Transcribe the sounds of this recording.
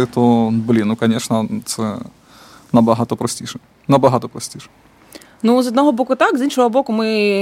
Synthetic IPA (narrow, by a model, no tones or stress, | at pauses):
ɪt̪oblʲinukɐnʲeʂnɐt̪sɛ̰ | nɐbɐɦat̪ɔpɾɔsʲtʲiʂɛ | nɐbɐɦat̪ɔpɾɐsʲtʲiʂɛ̥ | nuzɔd̪nɔɦɔbokʊt̪akzinʃɔɦɔbokʊmɪ